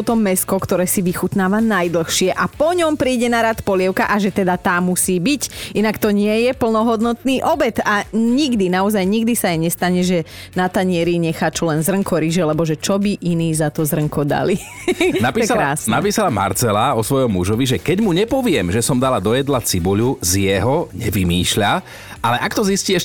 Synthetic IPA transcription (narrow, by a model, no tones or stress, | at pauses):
ɔt̪ɔːɛskɔkt̪ɔɾɛːsiʋixut̪naːʋanajd̪l̩xʃɪɛʔapɔɲɔmpɾiːɟɛnaɾat̪pɔlɪɛʊkaʔaʒɛt̪ɛd̪at̪aːmusiːbicinakt̪ɔɲɪɛjɛpl̩nɔɦɔd̪nɔt̪niːʔɔbɛt̪aɲiɡd̪inaɔzajɲiɡd̪isaajɲɛst̪aɲɛʒɛ | nat̪aɲɪɛɾiɲɛxaːt͡ʃɔlɛnzrəŋkɔɾiʒɛlɛbɔʒɛt͡ʃɔbiʔiniːzat̪ɔzrəŋkɔd̪a̰li | napiɛakɾaaːsnnapiːsalama̰ɾt͡sɛlaɔsʋɔjɔmːuʒɔʋiʒɛkɛɟmuɲɛpɔʋɪɛmʒɛsɔmd̪alad̪ɔjɛd̪lat͡sibuʎuzjɛɦɔɲɛʋimiːʃʎa | ʔalɛʔakt̪ɔzisciɛʃ